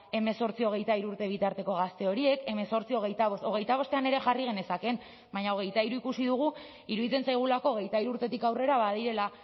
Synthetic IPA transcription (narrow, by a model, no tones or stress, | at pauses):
e̞me̞so̞ɾt͡sio̞ɣ̞e̞jt̪aiɾuɾt̪e̞β̞it̪aɾt̪e̞ko̞ɣ̞ast̪e̞o̞ɾie̞ke̞me̞so̞ɾt͡sio̞ɣe̞jt̪aβooɣ̞e̞jt̪aβo̞st̪e̞ane̞ɾe̞ʝariɣ̞e̞ne̞sake̞n | baɲao̞ɣ̞e̞jt̪aiɾuikusiðuɣ̞u | iɾuðit͡se̞nsajɣ̞ulako̞ːɣe̞jt̪aiɾuɾt̪e̞t̪ikawre̞ɾaβaðiɾe̞la